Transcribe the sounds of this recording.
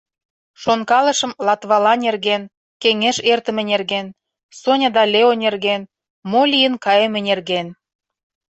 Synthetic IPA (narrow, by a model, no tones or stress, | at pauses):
ʃonkɑlə̆ʃə̆mlɑt̪βɑlɑnʲerɣen | keŋeʃert̪ə̆mĕnʲerɣen | sonʲɑd̪ɑlʲeonʲerɣen | molʲijənkɑjemĕnʲerɣen